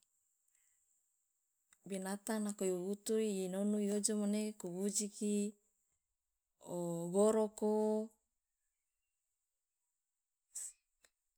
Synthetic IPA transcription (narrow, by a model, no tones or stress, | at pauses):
binat̪anakojout̪uiinonuiod͡ʒomanekuwud͡ʒiki | oɡoɾoko